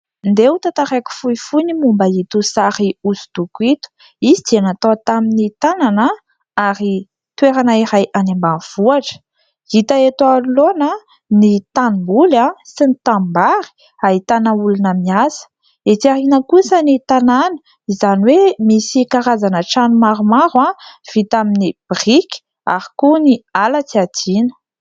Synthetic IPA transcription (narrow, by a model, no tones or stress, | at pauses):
nd̪eut̪at̪aɾaku̥fuifunimumbəit̪usaɾiusu̥d̪̥ukuit̪u̥ | izid̪ianat̪ot̪aminit̪ananə | aɾi | t̪weɾanaiɾajʔanembanv̥uaʈ͡ʂə̥ | it̪aet̪ualonə | nit̪animbulasinit̪ambaɾi̥ | aɦit̪anəulunəmiasə̥ | et̪iaɾinəkusənit̪ananə̥ | izaniwemisikaɾazanəʈ͡ʂanumaɾumaɾwav̥it̪aminib̥riki̥ | a̰ɾikunialət͡siat̪inə̥